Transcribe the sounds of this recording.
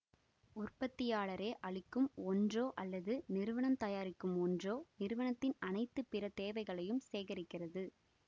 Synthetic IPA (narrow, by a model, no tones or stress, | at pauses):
ʊrpɐt̪ːɪjaːɭɐɾeːʔɐɭɪkːɯmɔndroːʔɐlːɐðɯnɪɾɯʋɐɳɐmt̪ɐjaːɾɪkːɯmɔndroːnɪɾɯʋɐɳɐt̪ːɪnɐnɐɪt̪ːɯpɪɾɐt̪eːʋɐɪɣɐɭɐjɯmseːɣɐɾɪkːɪrɐðɯ